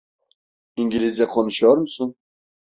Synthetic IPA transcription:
iŋɡilizjaqʰɔnɕɔɾmsun

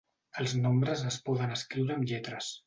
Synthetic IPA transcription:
əlˠznombɾəzəspɔðənəskɾiwɾəːmʎɛt̪ɾəs

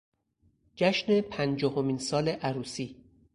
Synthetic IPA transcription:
d͡ʒæʃne̞pʰænd͡ʒɒːhomiːnsɒːleʔæɾuːsiː

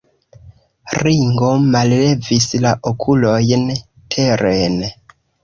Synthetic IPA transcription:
ɾiŋɡo̞malːe̞vislaʔokʰulo̞jn | tʰe̞ɾen

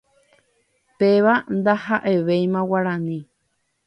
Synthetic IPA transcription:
peʋand̪ahaʔe̞ʋejmãwaɾãnĩ

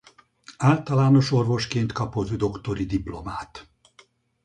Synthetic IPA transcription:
aːlt̪ɒlaːno̞ʃo̞rvo̞ʃkeːnt̪kɒpozyd̪o̞kt̪o̞ɾid̪iplo̞maːt̪

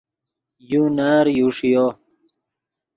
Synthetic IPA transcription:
junaːɾjuːʂijoː

